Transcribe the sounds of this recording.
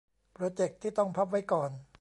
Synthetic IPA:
pɾoː˧t͡ɕe˨˩k̚t̪ʰːiː˥˩t̪ɔ˥˩ŋpʰa˦˥p̬̚wa˦˥jkɔː˨˩n

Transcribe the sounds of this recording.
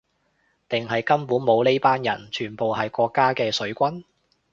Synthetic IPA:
t̪ɪ˨ŋɦɐ˨jkɐ˥mpuː˨˥nmo˨˧wle˥jpaː˥njɐ̰˨˩nt͡ʃʰyː˨˩npo˨wɦɐ˨jkʷɔː˧kːaː˥kɛː˧sɵ˨˥ɥkʷɐ˥n

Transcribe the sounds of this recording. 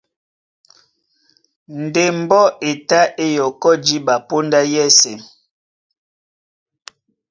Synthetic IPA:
n̩˨de˨m̩˨bɔ˦e˨ta˦e˦jɔ˨kɔ˦d͡ʒi˦ba˨po˦nda˦jɛ˦˨sɛ˨

